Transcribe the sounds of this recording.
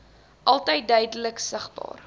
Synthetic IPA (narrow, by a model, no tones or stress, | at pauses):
ʔɐlˠtəjt̚dœɥdələksəχbɑ̰ːr